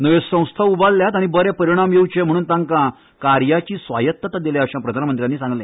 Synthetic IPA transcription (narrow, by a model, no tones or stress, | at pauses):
nəʋesə̃w̃st̪ʰaubalːjat̪aɽ̃ĩbəɾepəɾiɽ̃amjeut͡ɕem̤əɽ̃uːnt̪ãŋkã | kaɾjat͡ɕiːsʋajət̪ːət̪ad̪eljaəɕãpɾəd̪ʱanəmənt̪ɾjanːiːsãŋɡlẽ